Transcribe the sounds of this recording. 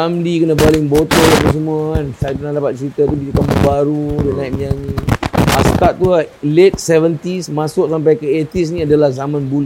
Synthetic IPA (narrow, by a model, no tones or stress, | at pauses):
amlikənə̃balɪŋbot̪ɔlapəs̬əmuaansat̪̚pənãndapat̪̚t͡ʃəɾit̪at̪ubisakaməbaɾudanãiʔ̚mijanĩa̰st̪aʔ̪̚t̪ːualet̪̚sɛvənt̪ismãsʊʔsampajkəet̪is̬nĩadalahzamãnbul